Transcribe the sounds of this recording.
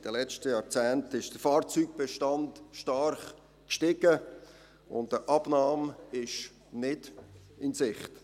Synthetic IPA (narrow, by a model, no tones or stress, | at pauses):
ɪd̥əlɛt͡ʃtəjɑːɾt͡sɛːntɪʃd̥əfɑːɾt͡syːɡ̚b̥ɛʃtɑndʃtɑɾχ | kʃtɪɡə | ʊ̰ndəʔɑb̥nɑːmɪʃ | nɪd̥ | ɪnsɪχt